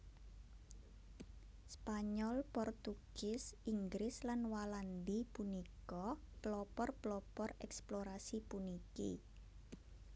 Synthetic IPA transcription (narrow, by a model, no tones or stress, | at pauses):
spaɲɔlpɔrt̪uɡ̥ɪsiŋɡɾɪslanwaland̪ipunikɔ | plɔpɔrplɔpɔrɛksploɾasipunikḭ